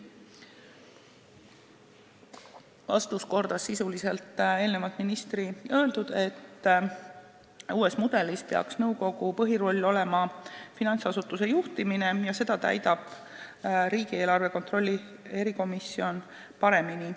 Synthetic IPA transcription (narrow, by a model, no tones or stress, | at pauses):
vɑ̰st̪usko̞rd̪̥ɑsisulise̞lt̪ːˑe̞ːlne̞vɑd̪̥minist̪riø̞eld̪̥ud̪̥e̞t̪ː | uːe̞smud̪̥e̞lispe̞ɑ̰ksnɤwko̞ɡ̥upɤɦiɾo̞lʲːo̞le̞mɑfinɑnt̪sɑsut̪ːˑuse̞juht̪imine̞jɑse̞d̪̥ɑt̪æ̰jd̪ɑb̥ | ɾiːɡ̥ie̞ːlɑrve̞ko̞nt̪ro̞lʲːi | e̞ɾiko̞misːio̞n | pɑɾe̞mini